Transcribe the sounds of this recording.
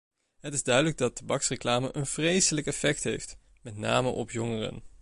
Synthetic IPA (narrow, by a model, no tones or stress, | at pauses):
ɦətɪzdœɥdələɡ̚dɑtabɑksreklaːməʔənv̥rejsələkɛfɛk̚tɦejft | mɛtna̰ːməʔɔpjɔŋərə̰n